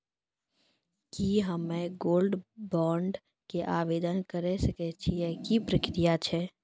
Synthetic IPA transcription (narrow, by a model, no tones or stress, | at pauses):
kiɦəmeɡoːlɖbɔːɳɖ | keʔaːʋeːd̪ənkəɾesəkɛt͡ʃʰiekipɾəkɾijat͡ʃʰɛː